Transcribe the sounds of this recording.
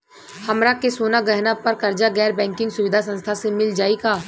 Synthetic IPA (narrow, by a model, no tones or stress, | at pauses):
hɐmɾakesoːnaɡɛɦnapɐɾkɐɾd͡ʒaɡɛːɾbɛ̃ːŋkɪ̃ŋɡsʊʋɪd̪ʱasə̃nst̪ʰasemɪld͡ʒaːikaː